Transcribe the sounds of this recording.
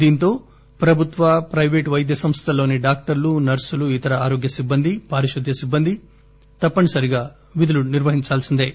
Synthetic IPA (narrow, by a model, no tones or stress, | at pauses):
d̪iːnt̪o̞ː | pɾɐbʱut̪ʋɐpɾɐjʋeːʈʋɐjd̪jɐsɐmst̪ʰɐlo̞ːniɖaːk̚ʈɐɾlunɐɾsuluit̪ɐɾɐaːɾo̞ːɡjɐsibːɐnd̪ʱipaːɾiʃʂud̪ʱjɐsibːɐnd̪ʱi | t̪ɐpːɐɳisɐɾiɡaː | ʋid̪uluniɾʋɐɦiɲt͡ʃaːlsind̪eː